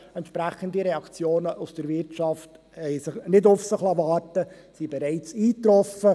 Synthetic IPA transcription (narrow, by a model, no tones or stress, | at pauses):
ɛntʃpɾæχəndiɾɛɑkt͡sjoːnəʔusd̥əɾvɪɾtʃɑft | hɛɪsɪχnɪdʊfsɪχlɑvɑːrtə | sibɛɾɛɪt͡siːt̪ɾɔfə